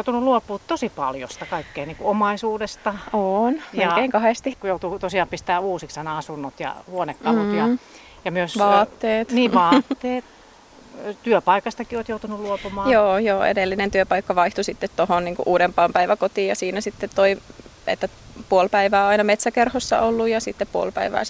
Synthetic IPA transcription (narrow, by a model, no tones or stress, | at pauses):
jout̪unulluopːˑuːt̪t̪osipɑ̰ljo̰st̪ɑkɑikːeːniːŋkuomɑisuːdest̪ɑonjɑikeiŋkɑhest̪ikujout̪ut̪osiɑːmpist̪æːuːsiksɑnɑɑsunːot̪jɑ̰huonekːɑlut̪jɑ | jɑmyøsʋʋɑːt̪ːeːt̪niːʋʋɑːt̪ːeːt̪ | t̪yøpɑikɑst̪ɑkioːt̪jout̪unulluopumɑːjoːjoːḛdelːinent̪yøpɑikːɑʋɑiht̪usit̪ːet̪tohonniːŋkṵʔuːɾempɑːmpæiʋækot̪iːjɑsiːnæsit̪ːet̪t̪oi | ḛt̪ːæpuolpæiʋæːɑinɑmet̪sækerhosːɑ̰ʔolːujjɑsit̪ːeppuo̰lpæ̰iʋæ̰ːs